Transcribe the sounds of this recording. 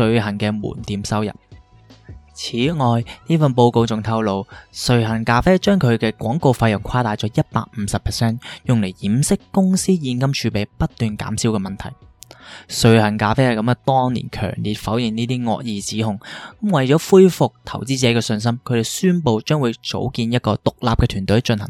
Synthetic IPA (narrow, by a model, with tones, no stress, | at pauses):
sɵ˧ɥɦɐ˨˩nkɛː˧mṵː˨˩nt̪iː˨˥msɐ˥wjɐ̰˨p̚ | t͡sʰiː˨˥ŋɔː˨jniː˥fɐ˨˧npo˧wko˧wt͡sʊ˨ŋt̪ʰɐ˧wlo˨˧wsɵ˨˧ɥɦɐ˨˩nkaː˧fɛː˥t͡ʃœː˥ŋkʰɵ˨˧ɥkɛː˧kʷɔː˨˥ŋko˧wfaː˧jʊ˨˩ŋkʰwaː˥t̪aː˨jt͡sɔː˨˥jɐ˥t̚pa̰ː˧k̚m̩˨˧˦sɐ˨pʰːɛː˨˩sɛː˥njʊ˨ŋle˨˩jjiː˨˥msɪ˥kːʊ˥ŋsiː˥jiː˧nkɐ˥mt͡ʃʰyː˨˧pe˨˩jpɐ˥t̚t̪yː˨nka̰ː˨˥msiː˨˥wkɛː˧mɐ˨nt̪ʰɐ̰˨˩j | sɵ˨˩ɥhɐ˨˩nkaː˧feː˥hɐ˨jkɐ˨˥mɛ˧t̪ɔː˥ŋnḭː˨˩nkʰœ̰ː˨˩ŋlḭ˨t̚fɐ˨˥wjɪ˨ŋniː˥t̪iː˥ŋɔ̰ː˧k̚jiː˨t͡siː˨˥hʊ˨ŋkɐ˨˥mwɐ˨jt͡ʃɔː˨˥fuː˥jfʊ˨k̚t̪ʰɐ˨˩wt͡siː˥t͡sɛ˨˥kɛː˧sɵ˧ns̬ɐ˥mkʰɵ˨˧ɥɾe˨jsyː˥npo˧wt͡ʃœː˥ŋwu˨˧jt͡so̰˨˥wkiː˧njɐ˥t̚kɔː˧t̪ʊ˨k̚laː˨p̚kɛː˧t̪ʰyː˨˩t̪ɵ˨˥ɥt͡ʃɵ˧nhɐ̰˨˩ŋ